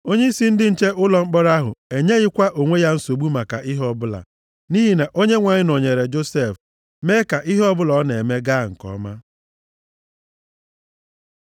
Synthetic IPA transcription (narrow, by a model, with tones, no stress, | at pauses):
o˦ɲe˦i˦si˦n̩˦dɪ˦n̩˦t͡ʃe˦ʔʊ˦lɔ˨ŋ͡m̩˦k͡pɔ˦ɾa˦ɦʊ̰˨e˨ɲe˦ɣɪ˦kʷa˦ʔo˨ŋʷe˦ja˦n̩˦so˨ɡ͡bu˦ma˨ka˨ʔɪ˦ɦɔ˦bʊ˦la̰˨ | ni˦ɦi˨na˨ʔo˦ɲe˦ŋʷa˨ɲɪ˦no˨ɲe˨ɾe˨d͡ʒo˦se˦˨f | me˦ka˨ʔɪ˦ɦɔ˦bʊ˦lɔ˨˦ne˨me˦ɡa˦˨ŋ̩˨kɔ̰˨˦ma˦